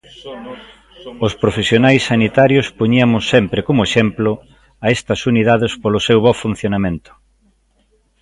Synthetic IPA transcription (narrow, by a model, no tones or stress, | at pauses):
ospɾofesjonajsːanit̪aɾjospoɲiɐmʊsːempɾekomʊeʃɛmplʊ | ɐest̪ɐsuniðaðespolʊsewβɔfun̟θjonamẽnt̪ʊ̥